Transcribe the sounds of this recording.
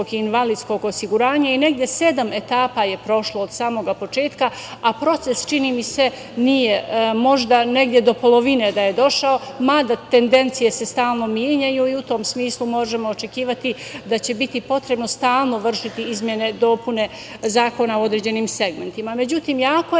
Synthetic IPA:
oɡinʋaliːd̪sko̞ɡo̞siɡuɾaːɲaine̞ɡd̪ʲje̞se̞d̪ame̞t̪aːpaje̞pɾo̞ʃlˠoːd̪saːmo̞ɡapo̞t͡ʃe̞ːt̪ka | apɾo̞t̪se̞st͡ʃiniːmise̞ | nije̞mo̞ʒd̪ane̞ɡd̪ʲjed̪o̞po̞lo̞ʋine̞d̪aje̞d̪o̞ʃao̞mad̪at̪e̞nd̪e̞nt̪sije̞se̞st̪aːlˠno̞mjeɲajuiut̪o̞ːmsmiːslˠumo̞ʒe̞moːt͡ʃe̞kiːʋat̪id̪at͡ɕe̞bit̪ipo̞t̪ɾe̞bno̞st̪aːlˠno̞ʋr̩ʃit̪iizmje̞ne̞d̪o̞ːpune̞ | zaːko̞naoo̞d̪ɾeːd͡ʑe̞niːmse̞ɡme̞nt̪imame̞d͡ʑut̪iːmjaːko

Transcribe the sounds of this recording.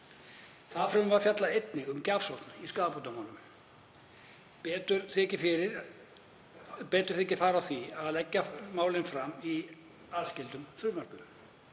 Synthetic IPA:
θaðfɾʏmvaɾfjat̪laejt̪nɪʏmcafsowht̪niskaːðput̪amanʏm | pɛːt̪ʏɾ̥θɛcɪfɪɾɪɾ | pɛːt̪ʏ̥ɾ̥θɪːcɪfaːɾawθiaðlɛcːamaːwlɪnfɾamːi | aðscɪlt̪ʏmθɾʏːmar̥kʏm

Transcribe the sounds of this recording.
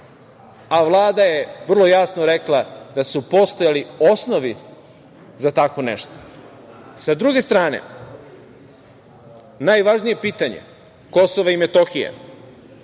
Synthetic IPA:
aʋlˠaːd̪aje̞ʋr̩lˠo̞jasnoɾeklˠad̪asupo̞st̪o̞jalio̞sno̞ʋi | zat̪ako̞nḛʃt̪o̥ | sad̪ɾuɡe̞st̪ɾaːne̞̰ | najʋaʒnije̞piːt̪aɲḛ | ko̞so̞ʋaimet̪o̞xija̰

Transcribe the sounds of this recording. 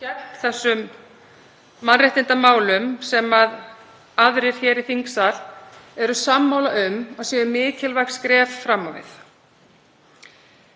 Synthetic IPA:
cɛh̪t̪θɛsːʏm | anrɛht̪ɪnt̪amaːwlʏmsɛmað | aðɾɪɾ̥çɛːɾiθiŋksalɛɾʏsamːaːwlaʔʏmaɣsjɛːðʏmɪːcɪlvajxskɾɛːvfɾamːavɪ̰θ

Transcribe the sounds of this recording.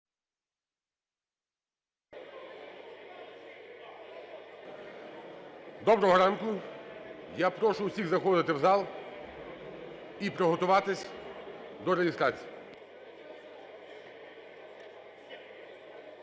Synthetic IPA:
d̪ɔbɾɔɦɔɾɑnkʊ | japɾɔʃʊwsʲiɣzɐxɔd̪ɪt̪ɪwzɑlˠ | ipɾɔɦɔt̪ʊʋɑt̪ɪsʲ | d̪ɔɾeɦʲɪst̪ɾɑt͡sʲiji

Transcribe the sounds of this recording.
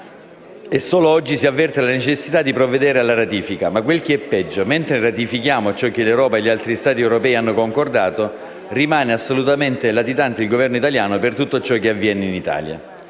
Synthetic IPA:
esːoːloɔd͡ʒːisiavːɛrt̪elanet͡ʃesːit̪ad̪ːipɾovːed̪ɛːɾealːaɾat̪iːfikamakːwelk̟eɛpːɛd͡ʒːoment̪ɾerat̪ifik̟jaːmot͡ʃɔk̟ːelewɾɔːpaeʎːialt̪ɾist̪aːt̪iɛwɾopɛːianːokoŋkord̪aːt̪o | rimaːneasːolut̪ament̪elat̪it̪ant̪eilɡovɛrnoit̪aljaːnopert̪ut̪ːot͡ʃɔk̟eavːjɛːneinit̪a̰ːlja̰

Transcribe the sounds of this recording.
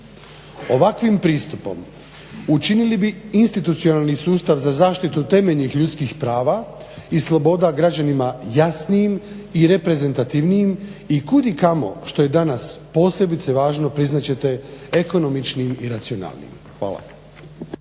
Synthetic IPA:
o̞ʋakʋimpɾiːst̪upo̞̰m | ut͡ʃinilibiinst̪it̪ut̪sio̞nalnisuːst̪aʋzazaːʃt̪it̪ut̪e̞me̞ʎnixʎut̪skixpɾaːʋa | islˠo̞bo̞ːd̪aɡɾad͡ʑanimajasnijimiɾe̞pɾe̞ze̞nt̪at̪iʋnijimikud̪ikamo̞̰ʃt̪o̞je̞d̪anaspo̞ːsʎe̞bit̪seʋaːʒno̞pɾiznat͡ɕe̞t̪e̞eko̞no̞mit͡ʃnimiɾat̪sijo̞na̰ːlˠnḭm | xʋa̰ːlˠa̰

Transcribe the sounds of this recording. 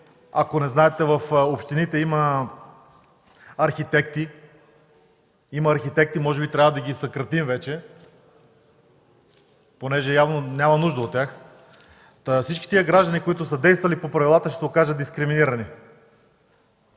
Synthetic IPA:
ɐkonɛznaɛt̪ɛvəfopʃt̪init̪ɛimə | ɐɾxit̪ɛk̚t̪i | imɐːɾxit̪ɛk̚t̪imɔʒɛbit̪ɾʲavəd̪ɐɡʲisɐkɾɐt̪imvɛt͡ʃɛ | ponɛʒɛjavnonʲamɐnuʒd̪əot̪ːʲjax | fsit͡ʃki̥t̪iəɡɾaʒd̪ənʲikoit̪ʊsəd̪ɛjst̪vɐlipopɾɐvilˠat̪əʃɛɛokaʒət̪̚d̪iskɾiminiɾɐni

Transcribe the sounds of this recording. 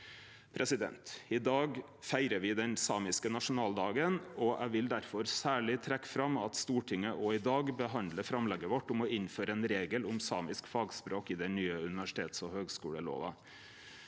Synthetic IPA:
pʰɾʔɛsɪd̪ɛ̰nt̪ɪd̪ɑːɡ | fæɪɾəʋɪd̪ɛnsɑːmɪskənɑʂʊnɑːld̪ɑːɡənɔʔæɪʋɪld̪æɾfɔɾsæːɭɪt̪ʰɾɛkːfɾɑmɑt̪st̪uːʈʰɪŋːəʔɔɪd̪ɑːɡbəɦɑnd̪ləfɾɑmlɛɡəʋɔʈːʊmɔɪnføːɾəɛːnɾeːɡəlʊmsɑːmɪskfɑːɡspɾoːkɪd̪ɛnyːəʉnɪʋæʂɪ̥t̪ʰeːt̪sɔhøːɡskuːɽəlo̰ːʋɑ̰

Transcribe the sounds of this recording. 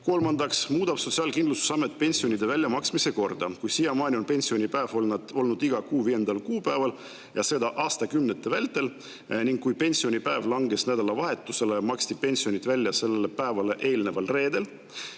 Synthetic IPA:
ko̞lmɑnd̪ɑksmuːd̪̥ɑb̥so̞t̪ʲsiɑːlkind̪lusu̥sɑme̞t̪̚ːˑpe̞nʲsio̞nʲid̪̥e̞vælʲjɑmɑksmise̞ko̞rd̪̥ɑkujsiːjɑmɑːnʲio̞npe̞nʲsio̞nʲipæevolnɑo̞lnud̪̥iɡ̥ɑkuːviːje̞nd̪̥ɑlkuːpæevɑl | jɑse̞d̪̥ɑʔɑːst̪ɑkymne̞t̪ːˑevælʲt̪ːˑe̞l | niŋɡ̥kːujpe̞nʲsio̞nʲipæe̞vlɑŋɡe̞snæd̪̥ɑlɑvɑɦe̞t̪ːˑuse̞le̞mɑkst̪ipe̞nʲsio̞nʲid̪vælʲːjɑse̞lːe̞lepæevɑle̞ʔe̞ːlne̞vɑlre̞ːd̪e̞l

